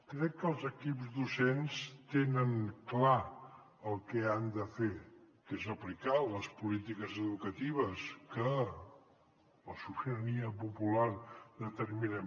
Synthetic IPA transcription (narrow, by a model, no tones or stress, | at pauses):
kɾɛkːəlˠzəkipzðusenst̪enəŋkla | əlˠkɛand̪əfe | kezəplikaləspulit̪ikəzəðukət̪iβ̞əskə | ləsusiəniəpupulard̪ət̪əɾminɛ